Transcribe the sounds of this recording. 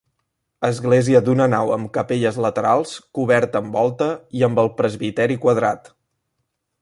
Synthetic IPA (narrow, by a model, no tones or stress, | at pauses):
əzɣleziəd̪unənawə̰mkəpeʎəzlət̪əɾalˠskuβ̞ɛɾt̪əːmbɔlˠt̪əiəmbəlˠpɾəzβit̪ɛɾikwəð̞ɾat̪